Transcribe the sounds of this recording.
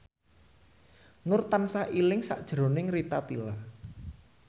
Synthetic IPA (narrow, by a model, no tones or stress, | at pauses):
nʊrt̪ansaʔilɪŋsa̰ʔd̥ʒ̥ɾo̤nɪŋrit̪at̪ila